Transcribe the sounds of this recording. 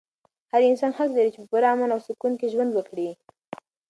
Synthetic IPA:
haɾɪnsɑnxaklaɾit͡ʃepəpuɾaamanawsʊkunkeʒwand̪wəkɽi

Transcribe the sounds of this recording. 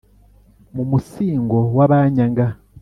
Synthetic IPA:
mumusiːŋɡo̞waβaɲaŋɡa

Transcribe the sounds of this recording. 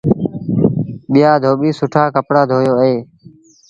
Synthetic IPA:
ɓɪjaːd̪ʱoːɓiːsʊʈʰaːkəpɽaːd̪ʱoːjoːəɦeː

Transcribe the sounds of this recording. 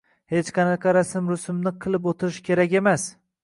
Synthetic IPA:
he̞t͡ʃqʰɑnɑqʰɑɾasɪmɾʊsʊmnɪqʰɨlˠɪp̬ot̪ʰɪɾɪʃkʲʰe̞ɾakʲe̞mas

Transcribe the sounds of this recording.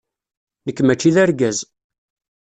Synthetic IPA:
nəkːmæt͡ʃːiðæɾɡæz

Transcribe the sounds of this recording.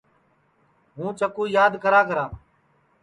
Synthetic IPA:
ɦũːt͡ʃəkuːjaːd̪kʰəɾaːkəɾãː

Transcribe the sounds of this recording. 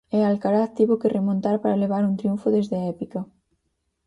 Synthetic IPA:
ɛalkaɾaðt̪iβokerʔemõnt̪aɾpaɾaleβ̞aɾunt̪ɾijuɱfʊðezðɪaɛpikɐ

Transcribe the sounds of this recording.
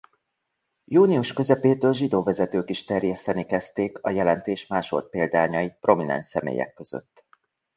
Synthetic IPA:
juːniuʃkø̞zɛpeːt̪øːlʒid̪oːvɛzɛt̪øːkiʃt̪ɛrjɛst̪ɛnikɛst̪eːkɒjɛlɛnt̪eːʃmaːʃo̞̰lt̪̚peːld̪aːɲɒipro̞minɛ̰nʃsɛmḛːjɛ̰kːø̞z̥ø̰t̪ː

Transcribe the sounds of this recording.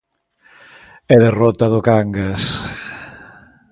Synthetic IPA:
eðerot̪aðʊkaŋɡas

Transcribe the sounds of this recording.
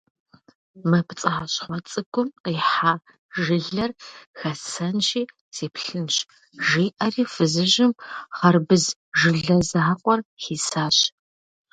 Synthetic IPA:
mɐpt͡sʼɐaɕχʷɔt͡sʼɨɡʷʰʊmiħaː | ʒɨɮɐrxɐsɐnʃiː | seːpɬɨnɕ | ʒiːʔɐriːfɨzɨʒɪmχɐrbɨzʒɨɮɐzaːqʷʼɔrχiːsaːɕ

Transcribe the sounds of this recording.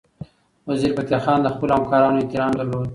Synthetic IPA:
waziɾpat̪jɑxɑːnd̪əxpəlohamkɑːɾɑnoet̪ɪɾɑːmd̪aɾlod̪

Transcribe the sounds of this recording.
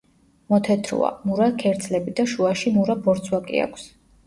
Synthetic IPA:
mɔt̪ʰɛt̪ʰɾṵa̰muɾakʰɛɾt̪sʰʼlɛbid̪aʃuaʃimuɾabɔɾt̪sʰwakʼḭa̰kʰs

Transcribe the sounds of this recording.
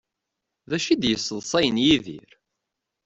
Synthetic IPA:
ðæʃid̪jəsˤːəðˤsˤæjənjiðḭɾ

